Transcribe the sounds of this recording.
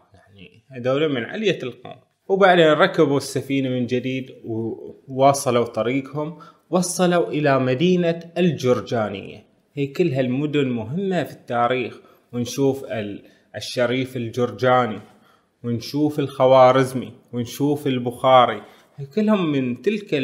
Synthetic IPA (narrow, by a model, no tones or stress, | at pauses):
jaʕnḭ | had̪aːlumɪnʕa̰lɪjalqo̰ːm | wbaʕd̪eːnɾˤɑkːabusːafiːnamɪnd͡ʒɪd̪iːd̪wwɑːsˤɑlut̪ˤɑɾiːqhʊm | wɑsˤːɑluʔɪlamad̪iːnaɪld͡ʒʊɾˤd͡ʒaːnɪ̰jːa̰ | hiːkɪlːɦalmʊd̪ʊnmʊɦɪmːafit̪ːaːɾiːx | wɪnʃuːf | ɪʃːaɾiːfɪld͡ʒʊɾˤd͡ʒaːni | wɪnʃuːfɪlxawɑːɾɪzmiwɪnʃuːfɪlbʊxɑːɾi | hikʊlːhʊmːɪnt̪ɪlka